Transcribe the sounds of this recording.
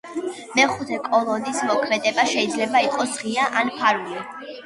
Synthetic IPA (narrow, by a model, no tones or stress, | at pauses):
mɛχut̪ʰɛkʼɔlˠɔnismɔkʰmɛd̪ɛbaʃɛid̪zlɛbaiqʼɔsʁiaʔanpʰaɾuli